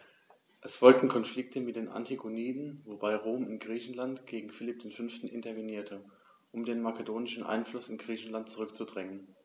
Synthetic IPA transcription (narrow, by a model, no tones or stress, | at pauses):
ʔɛsfɔlk̚tn̩kʰɔnflɪk̚tʰəmɪt̚d̥eːnʔa̰ntʰiɡoniːdn̩vobaɪʁoːmɪnɡʁiːçn̩lantɡ̥eːɡŋ̩fɪlɪp̚d̥eːnfʏnftn̩ʔɪ̰ntɐveniːɐtʰə | ʔʊmdeːnmakʰədoːnɪʃn̩ʔa̰ɪnflʊsɪnɡʁiːçn̩lant̚t͡suʁʏkt͡sudʁɛŋən